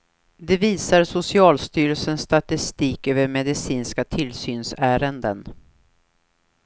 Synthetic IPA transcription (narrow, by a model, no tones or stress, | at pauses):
d̪ɛviːsaɾsʊsɪɑːlst̪yːɾəlsənst̪at̪ɪst̪iːkøːvəɾmɛd̪ɪsiːnskat̪ʰɪlsyːnsæːɾənd̪ə̰n